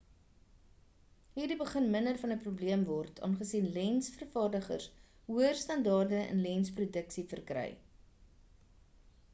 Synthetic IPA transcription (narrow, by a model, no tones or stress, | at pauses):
ɦiːrdibəχənməndərfɐnəprubliəmvɔrtʰɑ̰ːnχəsinlɛnsfərfɑːrdəχə̰rs | ɦuərstɐndɑːrdəə̰nlɛnsprudəksifərkrɛ̰j